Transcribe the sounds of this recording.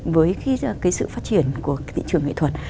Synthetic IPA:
vəː˨˦jxkaː˨˦jsɨ̰˧˨faː˦˥t̚t͡ɕi˧˩ənku˧˩ət̪ʰḭ˧˨t͡ɕɨ˧˩əŋːḛ˧˨t̪ʰwə˨˩t̚

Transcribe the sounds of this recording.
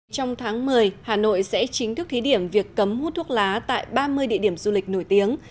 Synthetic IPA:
t͡ɕɔ˧wŋ͡mt̪ʰaː˨˦ŋmɨ˨˩əjhaː˨˩no̰˧˨jsɛ̰˧˥t͡ɕï˨˦ŋ̟t̪ʰɨ˦˥k̚t̪ʰi˨˦ɗi˧˩əmvi˨˩əkːə˨˦mhu˦˥t̪ʰu˦˥ək̚laː˨˦t̪a̰ː˧˨jɓaː˧mɨ˧əjɗḭ˧əɗi˧˩əmzu˧lï˨˩k̟̚no˧˩jt̪i˨˦əŋ

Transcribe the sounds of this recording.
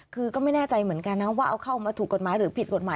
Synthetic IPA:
kʰɯː˧kɔː˥˩ma˥˩jnɛː˥˩t͡ɕa˧jmɯ˩˦ənka˧nːa˦˥waː˥˩ʔa˧wkʰa˥˩wmaː˧t̪ʰuː˨˩kːo˨˩t̪̚maː˨˦jɾɯː˩˦pʰi˨˩t̪̚ko˨˩t̪̚maː˨˦

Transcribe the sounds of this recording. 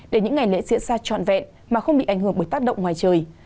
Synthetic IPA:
ɗe˧˩ɲɨ̰˧˥ŋːa˨˩jlḛ˧˥zḭ˧˥ənzaː˧t͡ɕɔ̰˧˨nvɛ̰˧˨n | maː˨˩xə˧wŋ͡mɓḭ˧˨ʔa˧˩jŋ̟ɦəŋɓə˧˩jt̪a˦˥k̚ɗə̰˧˨wŋ͡mŋwaː˨˩jt͡ɕəː˨˩j

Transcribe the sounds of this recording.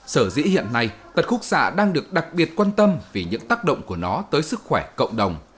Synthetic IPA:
səː˧˩zḭ˧˥hḭ˧˨ənːa˧jt̪ə˨˩t̚xu˦˥k̚sa̰ː˧˨ɗaː˧ŋɗɨ˨˩ək̚ɗa˨˩k̚ɓi˨˩ət̚kwaː˧nt̪ə˧mvi˨˩ɲɨ̰˧˥ŋt̪aː˦˥k̚ɗə̰˧˨wŋ͡mku˧˩ənɔ˨˦t̪əː˨˦jsɨ˦˥k̚xwɛ˧˩kə̰˧˨wŋ͡mɗə˨˩wŋ͡m

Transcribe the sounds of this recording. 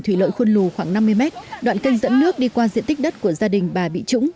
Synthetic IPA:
t̪ʰwi˧˩lə̰˧˨jxwə˧nlu˨˩xwaː˧˩ŋna˧mːɨ˧əjmɛ˦˥t̚ɗwa̰ː˧˨nkə˧jŋ̟zə̰˧˥nːɨ˦˥ək̚ɗi˧kwaː˧zḭ˧˨ənt̪i˦˥k̟̚ɗə˦˥t̚ku˧˩əzaː˧ɗï˨˩ŋ̟ɓaː˨˩ɓḭ˧˨t͡ɕʊ̰˧˥ŋ͡m

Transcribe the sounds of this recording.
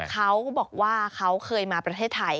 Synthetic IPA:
kʰa˦˥wbɔː˨˩k̚waː˥˩kʰa˦˥wkʰɤː˧jmaː˧pɾa˧t̪ʰeː˥˩t̪ʰːa˧j

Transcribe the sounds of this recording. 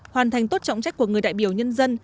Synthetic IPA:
hwaː˨˩nt̪ʰjŋ̟t̪o˦˥t̚t͡ɕɔ̰˧˨wŋ͡mt͡ɕa˦˥k̚ku˧˩əŋɨ˨˩əjɗa̰ː˧˨jɓi˧˩əwɲə˧nzə˧n

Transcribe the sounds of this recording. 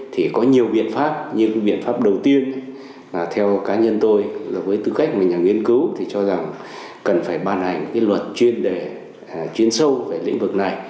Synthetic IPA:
t̪ʰi˨˩kɔ˨˦ɲi˨˩əwɓḭ˧˨ənfaː˦˥p̚ɲɨ˧kɓḭ˧˨ənfaː˦˥p̚ɗə˨˩wt̪i˧ən˨˩ | t̪ʰɛ˧wkaː˨˦ɲə˧nt̪o˧ja˨˩vəː˨˦jt̪ɨ˧˩ka˦˥k̚maː˨˩ɲaː˨˩ŋwi˧ənkɨ˨˦wt̪ʰi˨˩t͡ɕɔ˧za˨˩ŋ | kə˨˩nfaː˧˩jɓaː˧nha˨˩jŋ̟kaː˨˦jlwə˨˩t̚t͡ɕwi˧ənɗe˧˨˩ | t͡ɕwi˧˩ənsə˧wve˨˩lḭ˧˥ŋ̟vɨ˨˩k̚na˨˩j

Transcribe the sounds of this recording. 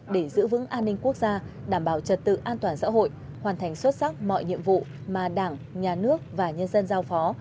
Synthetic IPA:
ɗe˧˩zɨ̰˧˥vɨ̰˧˥ŋʔaː˧nːï˧ŋ̟ku˦˥ək̚zaː˧ɗaː˧˩mɓaː˧˩wt͡ɕə˨˩t̚t̪ɨ̰˧˨ʔaː˧nt̪waː˨˩nsa̰ː˧˥ɦo̰˧˨j | hwaː˨˩nt̪ʰa˨˩ŋ̟swə˦˥t̚sa˦˥k̚mɔ̰˧˨jɲḭ˧˨əmvṵ˧˨maː˨˩ɗaː˧˩ŋɲaː˨˩nɨ˦˥ək̚vaː˨˩ɲə˧nzə˧nzaː˧wfɔ˨˦

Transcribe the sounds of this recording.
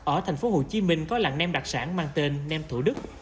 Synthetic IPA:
ʔəː˧˩t̪ʰɛ˨˩jŋ̟fo˨˦ho̰˧˨t͡ɕi˨˦mï˧˩ŋ̟kɔ˨˦la̰ː˧˨ŋnɛ˧mɗa˨˩k̚saː˧˩nmaː˧ŋt̪e˧nːɛ˧mt̪ʰu˧˩ɗɨ˦˥k̚

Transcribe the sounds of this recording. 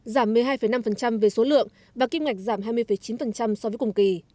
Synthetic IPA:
zaː˧˩mː˨˩əjɦaː˧jfə˨˩jna˧mfə˨˩nt͡ɕa˧mve˨˩so˨˦lɨ̰˧˨əŋ | vaː˨˩ki˧mŋa˨˩k̟̚zaː˧˩mɦaː˧jmɨ˧jfə˨˩jt͡ɕi˨˦nfə˨˩nt͡ɕa˧msɔ˧vəː˨˦kʊ˨˩ŋ͡mki˨˩

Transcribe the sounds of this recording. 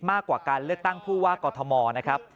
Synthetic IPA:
maː˥˩kwaː˨˩kaː˧nlɯ˥˩ək̚t̪a˥˩ŋpʰuː˥˩waː˥˩kɔː˧t̪ʰɔ˧mɔː˧na˦˥kʰɾa˦˥p̚

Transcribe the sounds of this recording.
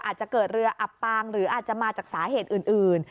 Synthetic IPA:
ʔaː˨˩t̪̚t͡ɕa˨˩kɤː˨˩t̪̚ɾɯ˧ɐʔa˨˩pːaː˧ŋɾɯː˩˦ʔaː˨˩t̪̚t͡ɕa˨˩ʔmaː˧t͡ɕaː˨˩k̚saː˩˦ɦeː˨˩t̪̚ʔɯː˨˩nʔɯː˨˩n

